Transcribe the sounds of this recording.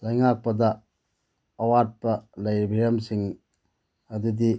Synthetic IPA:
lɐjŋak̚pɐdɐ | ɐwat̚pɐlɐjɾibʱiɾɐmsiŋ | ɐdudi

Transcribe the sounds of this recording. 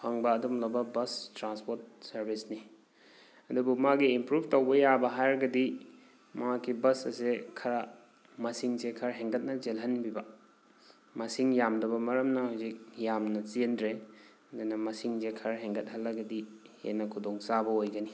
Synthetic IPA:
pʰaŋbɐːdumlɐbɐbɐstɾanspot̚sɐɾbisni | ɐdubumaɡiːmpɾub̚ʰʱtowbɐjabɐɦajɾɡɐdi | makibɐsɐsekʰɐɾɐ | mɐsiŋsekʰɐɾɦeŋɡɐt̚nɐd͡ʒelɦɐnbibɐ | mɐsiŋjamdɐbɐmɐɾɐmnɐhawzik̚jamnɐt͡ʃindɾe | ɐdunɐmɐsiŋzekʰɐɾɦeŋɡɐt̚hɐlːɐɡɐdihḛnːɐkʰudoŋsabɐojɡɐni

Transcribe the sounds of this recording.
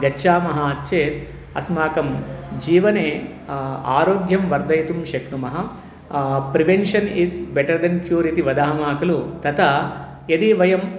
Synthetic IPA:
ɡɐːʃaːmɐɦɐɐt͡ʃːt͡ʃːeːt̪ | ɐsmaːkɐmd͡ʒiːʋɐneː | aːɾoːɡjɐmʋɐɾd̪ɐjt̪umʃɐknumɐɦɐ | pɾiʋenʃɐnisbeʈɐɾd̪ɐnkjuːɾiʈiʋɐd̪aːmaːkɐlut̪ɐt̪ɐ | ed̪iːʋɐjɐm

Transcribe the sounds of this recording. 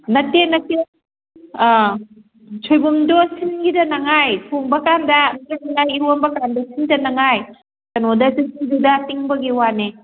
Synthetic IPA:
nɐtenɐte | t͡ʃʰojbumdosinɡidɐnɐŋajpʰuŋbɐkandɐnanaŋajiɾwonbɐkandɐsindɐnɐŋaj | tɐnodɐtutiŋdudɐtiŋbɐɡiwane

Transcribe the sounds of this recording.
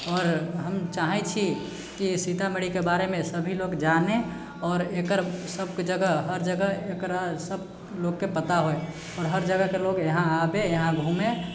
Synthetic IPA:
ɔːɾɦəmt͡ʃaːɦɛt͡ʃʰi | kisit̪ameɽikebaːɾemẽsəbʱiloːɡd͡ʒaːne | ɔːɾekəɾsəbked͡ʒəɡəɦɦəɾd͡ʒəɡəɦeːkɾasəb | loːɡkepət̪aɦoe | ɔːɾɦəɾd͡ʒəɡəɦkeloːɡjəɦãabejəɦãɡʱuːmẽ

